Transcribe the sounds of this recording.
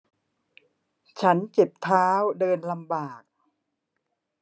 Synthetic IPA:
t͡ɕʰa˦˥nt͡ɕe˨˩p̚t̪ʰaː˦˥wdɤː˧nla˧mbaː˨˩k̚

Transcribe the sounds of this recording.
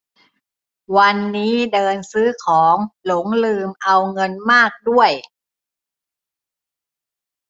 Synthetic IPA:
wa˧nːiː˦˥dɤː˧nsɯː˦˥kʰɔː˩˦ŋlo˩˦ŋlɯː˧mʔa˧wŋɤ˧nmaː˥˩k̚du˥˩əj

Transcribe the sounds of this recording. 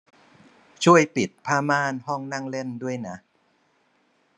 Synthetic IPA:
t͡ɕʰu˥˩əjpi˨˩t̪̚pʰaː˥˩maː˥˩nɦɔ˥˩ŋna˥˩ŋle˥˩ndu˥˩əjna˦˥

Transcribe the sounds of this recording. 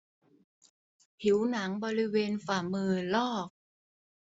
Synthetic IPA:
pʰi˩˦wna˩˦ŋbɔː˧ɾi˦˥weː˧nfaː˨˩mɯː˧lɔː˥˩k̚

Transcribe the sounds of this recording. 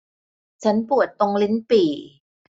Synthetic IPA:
t͡ɕʰa˦˥npu˨˩ət̪ːo˧ŋli˦˥npiː˨˩

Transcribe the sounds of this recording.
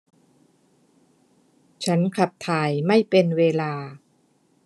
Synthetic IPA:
t͡ɕʰa˦˥nkʰa˨˩p̚t̪ʰaː˨˩jma˥˩jpe˧nweː˧laː˧

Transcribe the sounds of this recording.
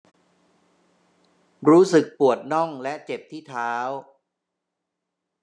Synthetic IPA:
ɾuː˦˥sɯ˨˩k̚pu˨˩ət̪̚nɔ˥˩ŋlɛ˦˥ʔt͡ɕe˨˩p̚t̪ʰiː˥˩t̪ʰaː˦˥w

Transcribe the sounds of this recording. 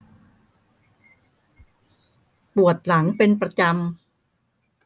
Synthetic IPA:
pu˨˩ət̪̚la˩˦ŋpe˧npɾa˧t͡ɕa˧m

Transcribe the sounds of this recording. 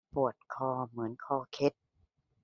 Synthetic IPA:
pu˨˩ət̪̚kʰɔː˧˩mɯ˩˦ənkʰɔː˧kʰe˦˥t̪̚

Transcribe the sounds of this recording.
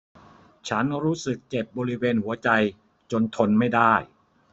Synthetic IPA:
t͡ɕʰa˦˥nɾuː˦˥sɯ˨˩k̚ːt͡ɕe˨˩p̚bɔː˧ɾi˦˥weː˧nhu˩˦ɐt͡ɕa˧j | t͡ɕo˧nt̪ʰo˧nma˥˩jdaː˥˩j

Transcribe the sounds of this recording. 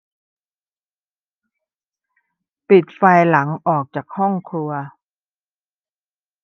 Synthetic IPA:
pi˨˩t̪̚faː˧jla˩˦ŋʔɔː˨˩k̚t͡ɕaː˨˩k̚hɔ˥˩ŋkʰlu˧ɐ

